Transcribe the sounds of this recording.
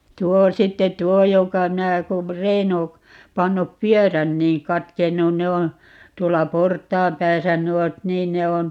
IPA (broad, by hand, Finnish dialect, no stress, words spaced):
tuo sitːe tˑuo jokɑ minæ kum reino pɑnːup pyøræn niːŋ kɑtkenːun ne on̞ tuolːɑ portˑɑːm pæːsæ nuot niːn ne on